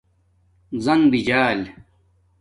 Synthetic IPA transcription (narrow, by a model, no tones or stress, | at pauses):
zɐnbid͡ʑaːl